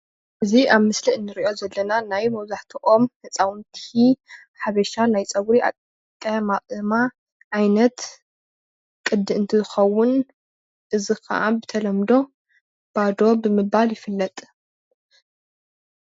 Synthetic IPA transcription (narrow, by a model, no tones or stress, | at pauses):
ʔɨziʔaβmɨsliɨnːɨɾiʔo̞zɐlːɐnanajmɐwzaħt̪ʰiʔomhɐt͡sʼawnt̪ʰi | ħaβɐʃanajt͡sʼɐβɾiʔa̰kʼ | kʼɐmaʔʼɨma | ʕajnɐt̪ | kʼɨd̪ːɨɨnt̪ʰizɨxɐwːʊn | ʔɨzikʰɐ̰ʔa̰bɨt̪ʰɐlɐmd̪o̞ | b̥ad̪o̞bɨmɨbaljɪfɨlːɐt̪ʼ